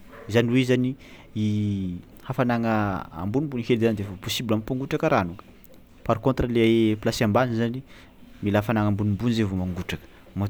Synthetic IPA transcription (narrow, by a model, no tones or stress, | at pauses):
izaniweizani | i | hafanaŋəa̰mbunimbuniheld̪eand̪evoposibilampaŋɡuʈ͡ʂakəɾanukə̥ | paɾkont̪rəleplasiambanizani | milafanaŋambunimbunizevomaŋɡuʈ͡ʂakə̥ | ma